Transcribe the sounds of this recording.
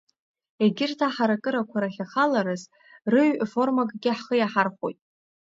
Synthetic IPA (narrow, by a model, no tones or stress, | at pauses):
eɡʲɪrtʰaħaɾakʼɨɾakʷʰaɾaχʲaχalaɾɨz | rɨɥfo̞rmakʼɡʲɪħχəjaħarχo̰jtʼ